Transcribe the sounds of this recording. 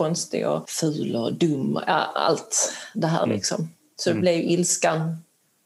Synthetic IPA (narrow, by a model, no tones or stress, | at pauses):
ɔnst̪ɪ̰ɡa̰fʉːləd̪ɵmːəa̰a̰lt̪d̪ɛɦæ̰ːɾlʔɪ̰ksɔm | sɔd̪ɛblɛvjʔɪlskan